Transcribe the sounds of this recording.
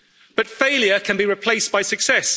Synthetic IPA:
b̥ʌtfeɪljəkʰə̃nbiɹɪpʰl̥eɪsb̥aɪsəksɛs

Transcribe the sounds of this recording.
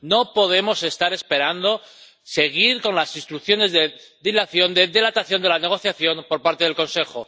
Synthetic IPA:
no̞po̞ð̞e̞mo̞se̞st̪aɾe̞spe̞ɾand̪o̞ | se̞ɣ̞iɾko̞nlasinst̪ɾukθjo̞ne̞zðeðilaθjo̞nd̪e̞ðe̞lat̪aθjo̞nd̪elane̞ɣ̞o̞θjaθjo̞mpo̞ɾpaɾt̪e̞ð̞e̞lko̞nse̞xo̞

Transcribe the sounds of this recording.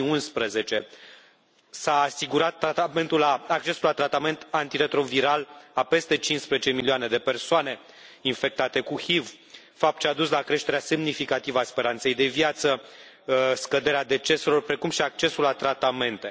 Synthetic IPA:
iunspɾəze̞t͡ʃe̞ | saːsiɡuɾat̪ːɾat̪ame̞nt̪ulːaːk̚t͡ʃe̞sulat̪ɾat̪ame̞nt̪ant̪iɾe̞t̪ɾo̞viɾalape̞st̪e̞t͡ʃinspɾezet͡ʃe̞milioane̞d̪e̞persoane̞ | infe̞k̚t̪at̪e̞kuhiv | fap̚t̪̚t͡ʃead̪uslakɾe̞ʃt̪eɾease̞mnifikat̪ivəaspe̞ɾant̪se̞jd̪e̞vjat̪sə | skəd̪e̞ɾead̪e̞t͡ʃe̞selo̞rpɾe̞kumʃiak̚t͡ʃe̞sulːat̪ɾat̪ame̞nt̪e̞

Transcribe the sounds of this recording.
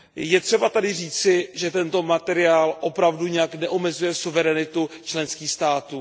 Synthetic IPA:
jɛt̪r̝̥ɛbat̪adɪriːt͡sɪʒɛt̪ɛnt̪o̞mat̪ɛɾɪaːlʔo̞pɾavduɲɛjaknɛʔomɛzujɛsuvɛɾɛnɪt̪ut͡ʃlɛnskiːxst̪aːt̪uː

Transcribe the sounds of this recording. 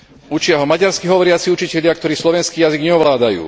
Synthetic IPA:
ut͡ʃɪaɦɔmaɟaɾskiɦɔʋɔɾɪat͡siut͡ʃicɛʎɪakt̪ɔɾiːslɔʋɛnskiːjaziɡɲɛɔʋlaːd̪ajṵː

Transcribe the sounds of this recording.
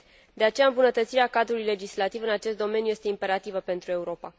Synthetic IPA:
d̪e̞at͡ʃe̞jaɨmbunət̪ət̪siɾeakad̪ɾulujle̞d͡ʒislat̪ivɨnat͡ʃe̞st̪d̪o̞menjuje̞st̪eimpe̞ɾat̪ivəpe̞nt̪ɾue̞uɾo̞pa

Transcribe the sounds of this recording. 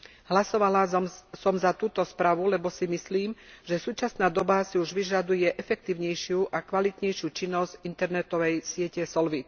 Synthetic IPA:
ɦlasɔʋalasɔmzat̪uːt̪ɔspɾaːʋulɛbɔsimisliːmʒɛsuːt͡ʃasnaːd̪ɔbasiuʒʋiʒad̪ujɛʔɛfɛk̚t̪iːʊɲɛjʃɪuʔakʋalit̪ɲɛjʃɪuːt͡ʃinːɔzɟint̪ɛɾnɛt̪ɔʋɛjsɪɛcɛsɔlʋit̪

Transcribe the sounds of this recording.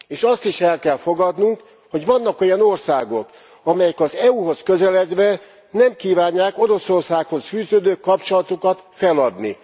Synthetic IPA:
eːʃɒst̪iʃɛlkɛlfo̞ɡɒd̪nuŋk | ho̞ɟʋɒnːɒkojɛnorsa̰ːɡo̞̰k | ɒmɛjɛkɒzɛuːɦo̞skø̞zɛlɛd̪ʋɛ | nɛmkiːvaːɲːaːko̞ɾo̞so̞rsaːkho̞sfyːzøːd̪øːkɒpt͡ʃo̞lɒt̪okɒt̪fɛlɒd̪ni

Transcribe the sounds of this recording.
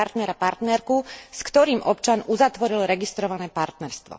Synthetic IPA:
aɾt̪nɛɾapaɾt̪nɛɾkuskt̪ɔɾiːmʔɔpt͡ʃanuzat̪ʋɔɾilɾɛɡist̪ɾɔʋanɛːpaɾt̪nɛɾst̪ʋɔ̰

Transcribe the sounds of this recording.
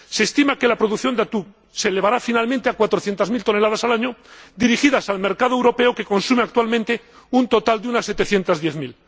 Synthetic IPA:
se̞ːst̪imake̞lapɾo̞ðuθjond̪at̪uk | seleβaɾafinalmẽnt̪e̞akwat̪ɾoθje̞nt̪azmilt̪o̞ne̞laðasalaɲod̪iɾixiðasalme̞ɾkaðoewɾo̞pe̞oke̞ko̞nsumeak̚t̪walmẽnt̪e̞ | unt̪o̞t̪ald̪eunasːe̞t̪e̞θjent̪azðje̞θmil

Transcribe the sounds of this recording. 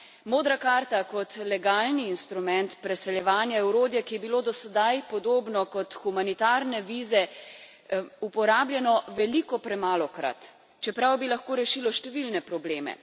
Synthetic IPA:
moːd̪ɾakaːɾt̪akɔt̪lɛɡaːlniːnst̪ɾumɛnt̪pɾɛsɛljɛʋaːnjaɛwɾoːd̪jɛkijɛbiloːd̪ɔsɛd̪ajpɔd̪oːbnɔkɔt̪xumanit̪aːɾnɛʋiːzɛ | upɔɾaːbljɛnɔʋɛlikɔpɾɛmaːlɔkɾa̰t̪ | t͡ʃɛpɾawbilaxkoːɾɛʃilɔʃt̪ɛʋilnɛpɾɔbleːmɛ̰

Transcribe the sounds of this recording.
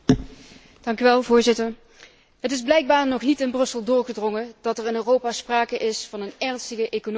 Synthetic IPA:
d̥ɑŋkyʋɛlˠvʊːɹzɪtər | ɦətɪzblɛjɡ̚baːɹnɔχnitɪnbrɵsəlˠdʊːɹɣədrɔŋəd̥ɑtɛrɪnøːrowpaːspraːkəʔɪsfɑnənɛɹnstəɣəʔejkon

